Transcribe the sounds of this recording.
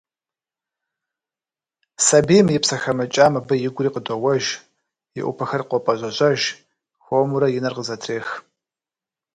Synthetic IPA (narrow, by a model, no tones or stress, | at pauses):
sɐbiːmjɪpsɐxɐmɐt͡ʃʼaːmɐbɐjɪɡʷʊriːqədʷʼɐwɐʒ | jɪ̰ʔʷʊ̰pʰɐxɐrqʷɔpʼɐʑʷɐʑʼɐʒ | xoːmuɾɐjɪnɐrqəzɐtʰreːx